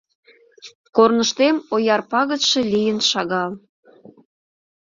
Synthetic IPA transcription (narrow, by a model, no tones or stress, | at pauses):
kornəʃt̪emojɑrpɑɣət̪ʃe̽lʲijənʃɑɣɑl